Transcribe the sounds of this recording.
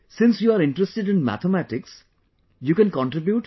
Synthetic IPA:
sɪ̃nsjuːaɾɪ̃ɳʈɾəsʈeɖɪ̃nmæ̰t̪ʰəmæʈɪks | juːkɛ̃nkɔ̃ɳʈɾɪbjuːʈ

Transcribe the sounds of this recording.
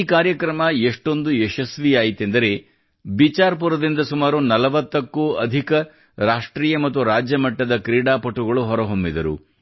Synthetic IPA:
kaːɾjɐkɾɐmɐeʂʈo̞nd̪ueʃɐsʋiaːjit̪ːend̪ɐɾe̞ | bit͡ʃaːɾp̬uɾɐd̪ind̪ɐsumaːɾunɐlɐʋɐt̪ːɐkːuɐd̪ʱikɐ | ɾaːʂʈɾiːjɐmɐt̪̬ːuɾaːd͡ʒjɐmɐʈːɐd̪ɐkɾiːɽaːpɐʈːuɡɐɭuɦɔɾɐɦombid̪ɐɾṵ

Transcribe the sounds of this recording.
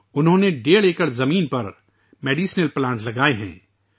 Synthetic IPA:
ʊnɦõːneɖeːɽeːkəɽzɐmiːnpɐɾ | meːɖiːsnəlplãːɳʈlɐɡaːeɦɛ̰̃ː

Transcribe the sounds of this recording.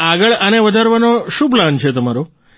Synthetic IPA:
aɡəɭəneʋəd͡ʒaɾʋanoʃũp̬lant͡ʃʰet̪əmaɾo

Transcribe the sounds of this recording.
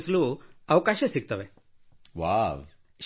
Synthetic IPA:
sluːɐʋkaʃesik̚t̪ɐʋe | ʋa | ʃ

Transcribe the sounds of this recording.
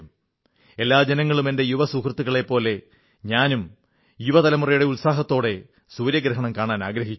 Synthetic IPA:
e̞lːaːd͡ʑenɐŋːɐɭume̞nde̞juʋɐsuːkrɐt̪ːuɣɐɭe̞pːo̞ːle̞ | ɲaːnum | juʋɐt̪ɐlɐmurɐjuɽe̞ulsaːɦɐt̪ːo̞ːɽe̞ | suːɾjɐɡɾɐɦɐɳɐmkaːɳaːnaːɡɾɐɦit͡ɕː

